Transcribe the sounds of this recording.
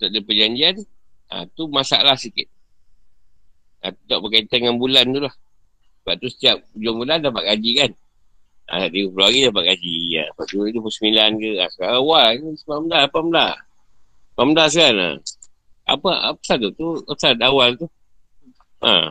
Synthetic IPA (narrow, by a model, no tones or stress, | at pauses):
t̪aʔdəpəd͡ʒaɲd͡ʒiana̰t̪umasa̰ʔlahsikɪt̪̚ | a̰t̪ut̪ɔʔbəkait̪aŋanbulant̪ulah | səbaʔ̚t̪usə̥t̪iap̚d͡ʒɔŋbulandapaʔ̪̚kad͡ʒikan | a̰saʔd̪iwupəluaɡidapaʔ̚kad͡ʒia̰apaʔd̪iit̪upəsəmilankəa̰səkalawalspamədapaməla | pamdas̬kana̰ | ʔa̰paa̰pə̥sat̪ut̪uasat̪awalt̪u | a̰